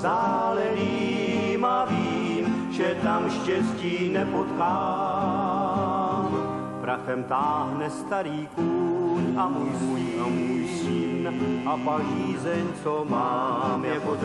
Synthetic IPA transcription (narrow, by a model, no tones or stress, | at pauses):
zaːlɛɾiː | maviːmʒɛt̪amʃcɛsciːnɛpot̪kaː | m | pɾaxɛmt̪aːɦnɛst̪aɾiːkuːɲʔamujujamujsɪnʔapaliːzɛɲt͡somaːmjako